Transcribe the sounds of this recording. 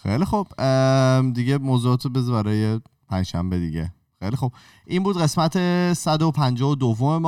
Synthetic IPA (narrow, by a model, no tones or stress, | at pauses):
xḛjlixob̥ | d̪iɟemozuɒːt̪ʰobezbæɾɒːje̞ | pʰænd͡ʒʃæ̰mbe̞d̪iɟe̞̰ | xejlixub̥ | ʔinmbuːd̪ɣe̞smæt̪ʰe̞sæd̪opʰænd͡ʒɒːod̪ovːome̞mɒ